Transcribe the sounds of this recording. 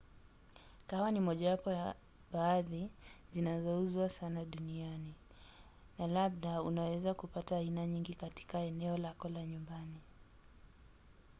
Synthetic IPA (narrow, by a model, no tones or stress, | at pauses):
kawanimɔʄawapɔja | ɓaːðizinazɔuzwasanaɗuniani | nalaɓ̚ɗaunawɛzakupataːinaɲiŋɡikati̥kaɛnɛɔlakɔlaɲumbani